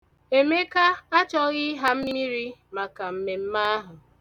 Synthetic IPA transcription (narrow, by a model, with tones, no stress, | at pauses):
e˨me˦ka˦a˦t͡ʃɔ˦ɣɪ˦ɦa˦m̩˦i˦ɾi˦ma˨ka˨m̩˦me˨m̩˦ma˦a˦ɦʊ˨